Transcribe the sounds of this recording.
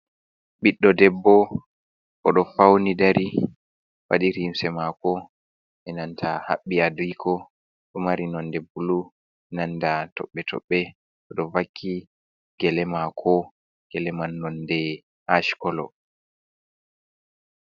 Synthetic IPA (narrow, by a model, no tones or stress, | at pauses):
ɓiɗːɔdɛbːɔ | kɔɗɔfawnidaɾi | wa̰ɗiɾimsɛmakɔ | ɛnantʰaha̰ɓːiadikʰɔ | ɗɔmaɾinɔndɛbulu | ɛnandatɔɓːɛtʰɔ̰ɓːɛ | ɔɗɔvakʰːi | ɡ̥ɛlɛmakʰɔ | ɡ̥ɛlɛmanːɔndɛ | haʃkɔlɔ̰